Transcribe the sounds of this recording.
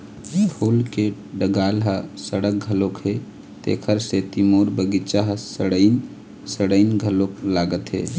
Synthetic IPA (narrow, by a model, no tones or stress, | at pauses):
ʈʰulke | ɖəɡalɦəsəɽək̚ɡʱəlokɦe | t̪ḛkʰəɾset̪imoɾbəɡit͡ʃaɦəsəɽən | səɽəɪnɡʱəloklaɡət̪ɦḛ